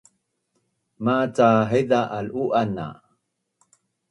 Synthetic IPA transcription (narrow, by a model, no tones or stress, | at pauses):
mat͡saɦed̪aʔaluʔana̰